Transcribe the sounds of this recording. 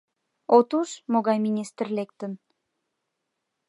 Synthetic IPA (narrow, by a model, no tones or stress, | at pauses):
ot̪uʃmoɣɑjminʲist̪ərlek̚t̪ə̆n